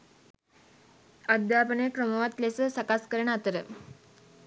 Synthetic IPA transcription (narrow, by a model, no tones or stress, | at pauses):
əd̪japəɳekɾoməʋat̪lesəsəkaskəɾeɳat̪əɾə